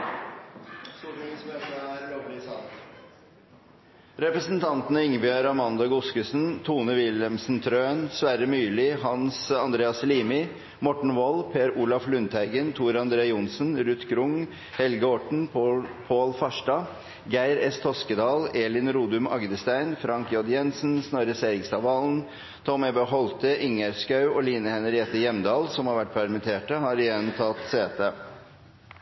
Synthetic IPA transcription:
suɾnsmeːt̪əæːɾloːʋlɪsɑn | ɾɛpɾəsənt̪ʰɑnt̪ənəɪŋːbʏøːɾɑmɑnd̪ɑɡʊskəsnt̪ʰuːnəʋɪlɛmsn̩t̪ʰɾøːnsʋæːɾəmyːlɪɦɑnsɑnd̪ɾeːɑsliːmɪ | mɔʈɳ̩ʋɔlpʰeːɾuːlɑflʉnt̪ʰæɪɡənt̪ʰuːɾɑnd̪ɾeːjʊnsənɾʉt̪ɡɾʊŋ | hɛlɡəɔʈɳ̩pʰoːlfɑʂʈɑ | ɡæɪɾɛst̪ʰɔskəd̪ɑːleːlɪnɾuːd̪ʉmɑ̰ɡd̪əst̪æɪnfɾɑŋkjɔd̪jɛnsn̩snɔɾəseːɾɪŋst̪ɑːʋɑln | t̪ʰɔmɛbøɦɔlt̪əʔɪŋəɾskɑʉɔːliːnəhɛnəɾɛːt̪əjɛmd̪ɑːlsɔmhɑɾʋæʈ̚ːpʰæɾmɪt̪ʰeːʈəhɑːɾɪjɛnt̪ʰɑːt̪seːt̪ə

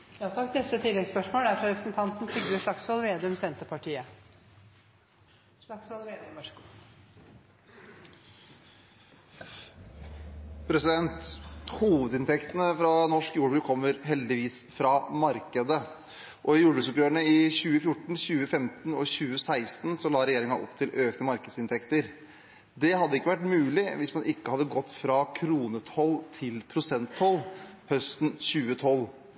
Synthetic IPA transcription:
jɑːt̪ʰɑknɛst̪ət̪ʰɪlːɛɡspœʂmoːlæɾfɔɾɛpɾəsn̩t̪ʰɑnt̪n̩sʏɡ̪əʂɭɑksʋɑlʋeːd̪ʉmsɛnt̪əɾpʰɑʈiːə | ʂlɑksʋɑlʋeːd̪mœʂkː | pʰɾɛsɪd̪ɛnt̪huːʋəd̪ɪnt̪ʰɛkt̪ənəfɾɑnɔʂkjuːbʉːkʰɔmːəɾɦɛld̪ɪʋiːsfɾɑmɑɾkəd̪ə | ʔɔɪjuːbʉːsɔpjøːəɳəɪçʉːəfjʊʈːɳ̩çʉːəfɛmt̪n̩ɔɕʉːəsæɪst̪n̩sɔlɑːɾɛjeːɾɪŋɑʔɔ̰pːt̪ʰɪlʔøːknəmɑɾkəd̪sɪnt̪ʰɛkt̪əɾ | d̪ɛhɑd̪ːəɪkːəʋæʈmʉːlɪʋɪsmɑnʔɪkːəhɑd̪ːəɡɔt̪ːfɾɑkʰɾuːnət̪ʰɔlt̪ʰɪlpʰɾʊsɛnt̪ʰːɔlːhœst̪n̩ɕʉːət̪ʰɔlː

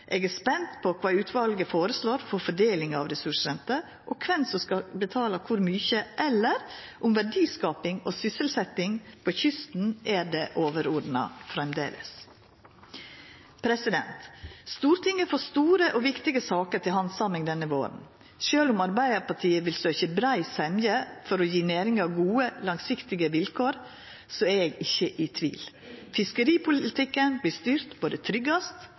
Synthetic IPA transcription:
ʔɛɡɛspɛnt̪pʰɔkʰʋɑːʉːt̪ʰʋɑlɡəfoːɾəsloːɾfɔɾfɔɖeːlɪŋɑʋɾɛsʉʂɾɛnt̪ə | ʔɔkʰʋɛnsɔskɑbət̪ʰɑːlɑkʰʊɾmyːçəʔɛlːəɾʔʊmʋæɖiːskɑːpɪŋɔsʏsəlsɛt̪ːɪŋpʰɔçʏst̪n̩ʔæɖeːʔoːʋəɾɔːɖ̪nɑ̰fɾɛmd̪ḛːlʔə̰s | pʰɾɛsɪd̪ɛnt̪st̪uːɾt̪ʰɪŋːəfɔst̪uːɾəʔɔʋɪkt̪ɪɡəsɑːkəɾt̪ʰɪlɦɑnsɑmɪŋd̪ɛnːəʋo̰ːɾə̰n̩ | ʃøːlʊmɑɾbæɪd̪əɾpɑʈʰiːəʋɪlsøːçəbɾæɪsɛmjəfɔɾɔjiːnæːɾɪŋɑʋɡuːəlɑŋsɪkt̪ɪɡəʋɪlkʰoːɾ | sɔæɾɛɡɪçːəʔɪt̪ʰʋḭːl | fɪskəɾiːpʰʊlɪt̪ʰɪkːənblɪːst̪yːɾt̪boːd̪ət̪ʰɾʏɡɑst̪

